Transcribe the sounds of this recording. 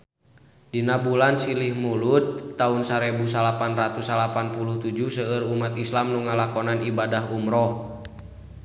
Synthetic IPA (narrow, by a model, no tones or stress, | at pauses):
dinabulansilihmulut̪̚ːaunsaɾɛbusalapanrat̪usalapanpuluht̪ud͡ʒuhsəːrumat̪islamnuŋalakɔnanibadaɦumɾɔh